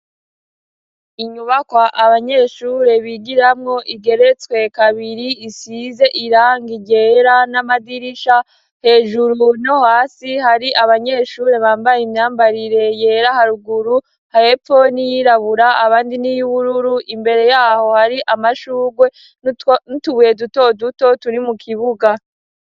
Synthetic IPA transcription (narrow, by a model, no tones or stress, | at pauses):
iɲuβakwaʔaβaɲe̞ːʃuːɾe̞βiɡiɾamŋo̞ʔiɡe̞ɾe̞t͡skwe̞kaβiɾiisize̞ʔiɾaːŋɡiɟe̞ːɾanamadiɾiʃa | he̞ːʒuɾuno̞haːsihaɾiʔaβaɲe̞ʃuːɾe̞βaːmbajimɲaːmbaɾiɾe̞je̞ːɾahaɾuɡuɾu | haefo̞nijiɾaβuɾaaβaːndinijuβuɾuɾuʔimbe̞ɾe̞jaːho̞haɾiʔamaʃuːɡwe̞ | nituβuje̞duto̞duto̞tuɾimukʰiβuɡa